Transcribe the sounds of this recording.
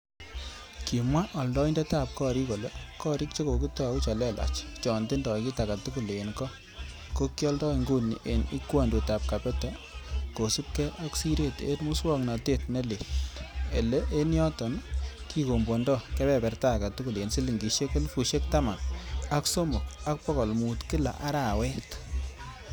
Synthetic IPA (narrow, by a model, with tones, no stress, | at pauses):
ki˨mwa˦ʔɔ˨ldɔ˦i˦ndɛ˦ta˦˨p̚kɔ˦˨ɾi˦ko˨lɛ˦kɔ˦ɾi˦k̚t͡ʃe˦ko˨ki˦tɔ˦˨ku˦t͡ʃa˨lɛ˦la̰˨t͡ʃt͡ʃɔ˨nde˦ndɔ˨ki˦ta˨ka˨tu˦ku˦˨lenkɔ˦ | ko˦kːi˦ɔ˦ldɔ˦i˨ŋɡu˦nḭ˨ʔe˨nḭ˦kwa˨ndu˨ta˨p̚ka˨pɛ˦tɛ˨ | ko˨si˦p̚kɛ˦ʔa˦ksi˦ɾe˦tḛ˦tmu˦swɔ˦kna˨te˦t̚ne˦le˨te˨le˦ʔe˦njɔ˦tɔ˨nki˦ko˨mbo˨ndɔ˦kɛ˦pɛ˨pɛ˨rta˦˨ka˨tu˦ku˨le˨nsi˦li˨ŋɡi˨ʃe˦ke˦lfu˨ʃe˦k̚ta˦ma˨na˦kso˦mʊ˨k̚a˦k̚pɔ˦kɔ˨lmu˨tkɪ˦la̰˨ʔa˦ɾa˨wɛ˦t